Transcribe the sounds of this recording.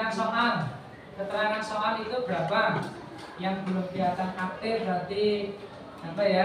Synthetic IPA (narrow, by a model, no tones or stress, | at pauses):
ansɔŋal | kət̪əlakansɔŋalit̪ub̥ɾa̤pa | jaŋbəlʊmbiasankat̪ɪrd̪a̤t̪i | ampaja